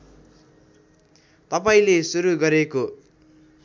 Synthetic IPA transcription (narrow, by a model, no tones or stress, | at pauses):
t̪ʌpaĩlesuɾuɡʌɾeko